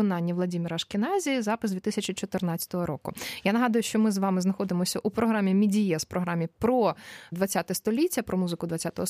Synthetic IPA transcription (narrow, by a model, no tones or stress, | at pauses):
ɔnɑnʲːiʋlˠɐdʲimʲiɾɐʃkɪnɑzʲizɑpɨɪsd̪ʋʲit̪ɪsʲɐt͡ʃʲit͡ʃɔt̪ɪrnɑt͡sʲɐ̥t̪ɔɦɔɾɔkʊjanɐɦɑd̪ʊjʊʃt͡ʃɔmɪzʋɑmɪznɐxɔd̪ɪmɔsʲɐʔupɾɔɦɾamʲimʲidʲijɛspɾɔɦɾɑmʲipɾɔd̪ʋɐtʲt͡sʲat̪ɛst̪ɔlʲitʲːɐpɾɔmuzɨkʊd̪ʋɐtʲt͡sʲat̪ɔɦɔ